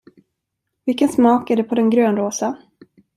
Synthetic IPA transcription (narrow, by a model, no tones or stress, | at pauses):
vɪlkːənsmɑːkæɖɛpʰɔd̪ɛnɡɾøːnɾoːsa